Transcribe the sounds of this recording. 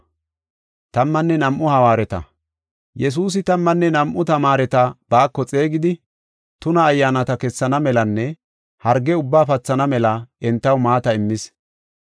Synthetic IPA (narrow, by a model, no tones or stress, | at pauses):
t̪ɐmːɐnːɛnɐmʔʊhɐwaːɾɛt̪ɐ̰ | jɛs̬uːs̬ɪt̪ɐmːɐnːɛnɐmʔʊt̪ɐmaːɾɛt̪ɐb̥aːkːɔt͡sʼe̞ːɡɪd̪ɪ | t̪ʊnɐːjːaːnɐt̪ɐkɛsːɐnɐmɛlɐnːɛ | hɐɾɡːɛʊbːaːfɐt͡sːɐnɐmɛlɐɛnt̪ːɐwmaːt̪ɐɪmːɪs